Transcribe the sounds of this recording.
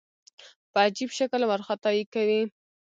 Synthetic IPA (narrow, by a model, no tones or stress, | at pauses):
pəad͡ʒibʃakəlmaɾxat̪ɑjikawi